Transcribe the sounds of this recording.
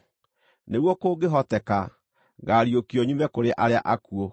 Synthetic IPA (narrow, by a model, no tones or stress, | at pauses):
neɣwɔkoːɡeɦɔtɛka | ɡaɾiokiɔɲumɛkoɾeʔaɾeaʔakuo